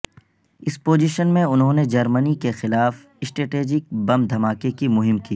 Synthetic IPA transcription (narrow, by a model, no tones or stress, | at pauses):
ɪspoːzɪʃənmẽʊnɦõːned͡ʒɐɾmənikexɪlaːf | ɪsʈɾeːʈeːd͡ʒɪk̚bɐmd̪ʱɐmaːkekimʊɦɪmkiː